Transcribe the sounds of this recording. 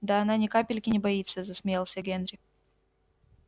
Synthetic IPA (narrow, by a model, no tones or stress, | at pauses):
d̪aːnanʲɪkapʲɪlʲkʲɪnʲɪbɐit̪səzɐsʲmʲɪjelˠsʲəɡʲenɾʲɪ